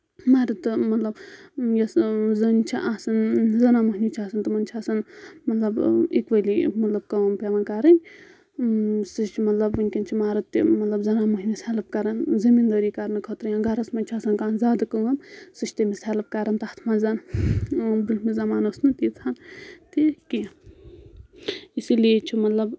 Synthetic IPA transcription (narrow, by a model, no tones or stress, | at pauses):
maːɾɐt̪ːɨmɐt̪lɐbjɐszɐnʲt͡ʃʰiʔasɐnzɐnamɐɦnʲit͡ʃʰaːsɐnt̪ɨmɐnʲt͡ʃʰaːsɐnmɐt̪lɐbḭkʋɐlimɐt̪lɐb̚kɐmpʲeʋankaːɾɐnʲ | sɨst͡ʃʰimɐt̪lɐbʋɐnʲkʲɐnt͡ʃʰimaːɾɐt̪ːḭmɐt̪lɐbzɐnamɐɦʲmisaːlɐp̚kaɾanzɐmind̪ɐɾiːkaɾnɨkʰot̪ɾɨjãɡaɾɐsmɐnʲt͡ʃʰaːsɐnkaːnzaːd̪ɐkəɡɐmsɨʃt̪emisaːlɐp̚kaːɾɐnt̪at̪ʰmaːzan | bulmizɐmaːnosnɨt̪iːt͡sʰant̪iki | isilijet͡ʃʰimɐt̪lɐb